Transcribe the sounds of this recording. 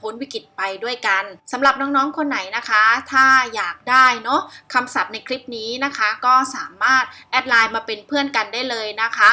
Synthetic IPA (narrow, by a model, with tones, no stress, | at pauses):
pʰoː˦˥nwi˦˥kɾi˨˩t̪̚pa˧jdu˥˩əjka˧nsa˩˦mɾa˨˩p̚nɔː˦˥ŋnɔː˦˥ŋkʰo˧nːa˩˦jna˦˥kʰa˦˥t̪ʰaː˥˩jaː˨˩k̚daː˥˩jnɔ˦˥kʰa˧msa˨˩p̚na˧jkʰɾi˦˥p̚niː˦˥na˦˥kʰa˦˥kɔː˥˩saː˩˦maː˥˩t̪̚ʔɛ˦˥t̪̚laː˧jmaː˧pe˧npʰɯ˥˩ənka˧ndaː˥˩jlɤː˧jna˦˥kʰa˦˥